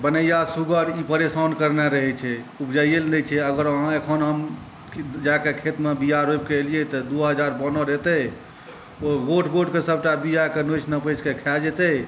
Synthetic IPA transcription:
bənəjasuɡəɾipəɾesankəɾnɛɾəɦɛt͡ʃʰɛubd͡ʒajjelnet͡ʃʰɛəɡəɾəɦãekʰənɦəm | d͡ʒakekʰet̪mebijaɾob̚kelijɛt̪ɔd̪uɦəd͡ʒaɾbɔnɔɾet̪ɛ | oɡoʈʰɡoʈkesəb̚ʱʈabijakenot͡ʃʰnəpət͡ʃkekʰɛld͡ʒet̪ɛ

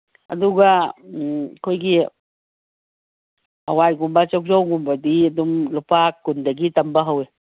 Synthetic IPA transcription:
ʔa̰d̪uɡa | kʰojɡi | awajɡumbat͡ʃɔk̚d͡ʒowɡumbad̪id̪umlupakːund̪aɡit̪ambaɦowe

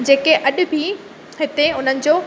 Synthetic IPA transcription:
d͡ʑeːkeʔɐɗʊ̆bʱi | ɦɪt̪eʊn̤ənɪ̆d͡ʑoː

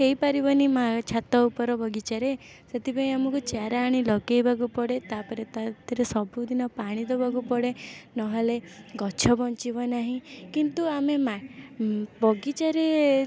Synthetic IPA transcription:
keipaɾibɔnimat͡ʃʰat̪ɔupɔɾɔbɔɡit͡ʃaɾe | set̪ʰipaĩamɔkut͡ʃjaɾaːɽ̃ilɔɡejbʱaɡupɔɽet̪apɔɾet̪at̪ɔɾesɔbʱud̪inɔpaɽ̃it̪ɔbʱaɡupɔɽenɔɦɔleɡɔt͡ʃʰɔbɔnt͡ʃibɔnaɦĩkint̪uamema | bɔɡit͡ʃaɾe

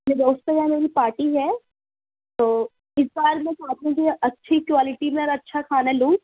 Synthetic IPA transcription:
mẽd̪oːst̪ojameːɾipaːɾʈiɦɛː | t̪oː | ɪsbaːɾmɛ̃t͡ʃaːt̪iũkiʔɐtːʃʰikʋaːlɪʈimẽɔɾɐtːʃʰakʰaːnalũː

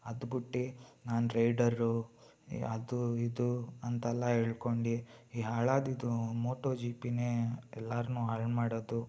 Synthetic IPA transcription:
ɐd̪ubuʈːinaːnuɾɐjɖɐɾːu | ɐ̰d̪uid̪uɐnt̪ɛlːɐɦeːɭkoɳɖiiɦaːɭaːd̪id̪umoːʈoːd͡ʒiːpineːɛlːaːɾnuaːɾmaːɽod̪u

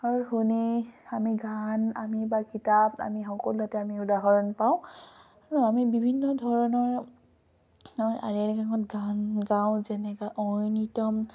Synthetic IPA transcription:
aɹuhuniamiɡana̰mibakitaba̰mixɔkɔluɦatɛamiudaɦɔɹɔnpaʊ̃ | aɹuamibibʱinːɔdʱɔɹɔnɔɹ | ɔjʔa̰lɛɹkaŋɔtɡanɡãw̃zɛnɛkaʔɔjnitɔm

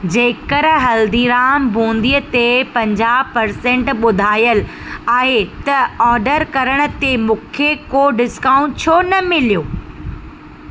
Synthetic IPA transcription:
d͡ʑeːkəɾɦɐld̪iːɾaːmbʱũːnd̪ijət̪epɐ̃ɲd͡ʑaːpɐɾsẽːɳʈɓʊd̪ʱaːjəl | aːɦet̪ɐɔːɾɖəɾkɐɾəɽ̃ʊ̆t̪emũːkʰekoːɖɪskãːũt͡ɕʰoːnɐmɪlijoː

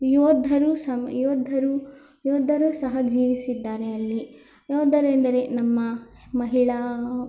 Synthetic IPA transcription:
jɔːd̪ʱɐɾusɐjɔːd̪ʱːɐɾu | jɔːd̪ʱɐɾusɐɦɐd͡ʒiːʋisid̪ːaːɾɛɐlːi | jɔːd̪ːɐɾend̪ɐɾenɐmːɐmɐɦiɭɐ

